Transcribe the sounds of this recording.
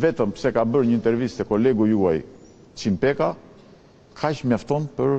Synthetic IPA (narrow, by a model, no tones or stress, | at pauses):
vɛt̪əmsɛkabəɾɲəint̪ɛɾvist̪ɛkɔlɛɡuuaj | t͡ʃimpɛka | kʰat͡ʃmjaft̪ɔnpəɾ